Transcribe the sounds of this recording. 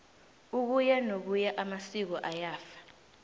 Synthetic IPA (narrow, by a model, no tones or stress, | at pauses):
uk̬ujɛnok̬ujaʔamasik̬ɔʔajaːfḁ